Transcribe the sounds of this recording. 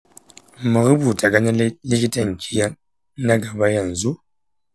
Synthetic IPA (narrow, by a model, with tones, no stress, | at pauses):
mə˨ɣɨ˦bu˨ta˨ɡa˦na˦li˦ki˦ta˦˨ŋ̩˨ki˨˦ja˦ | na˦ɡa˨ba˦ja˦˨n̩˨zu˦